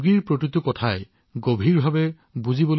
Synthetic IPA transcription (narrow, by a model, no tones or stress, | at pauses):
ɡiɹpɹokɹitukɔtʰaj | ɡobʱiɹbʱabɛ | buzibɔl